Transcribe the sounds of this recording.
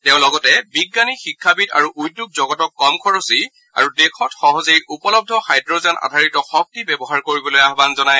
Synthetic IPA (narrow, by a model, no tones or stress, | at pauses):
tɛʊ̃lɔɡɔtɛbiɡːanixikʰːabita̰ɹuʔujdjuɡ̚zɔɡɔtɔkːɔmkʰɔɹɔsi | a̰ɹudekʰɔtxɔɦɔzejʔupɔlɔb̚dʱɔxajdɹɔzɛna̰dʱaɹitɔxɔk̚tibɛbɔɦaɹkoɹibɔlojaɦbanzɔnaj